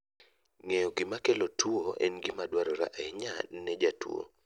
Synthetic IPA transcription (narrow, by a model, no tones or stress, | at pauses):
ŋejɔɡɪmakelotʰuoʔɛ̰nɡɪmadwaɾɔɾa̰ʔɛɲanɛd͡ʒatuo̰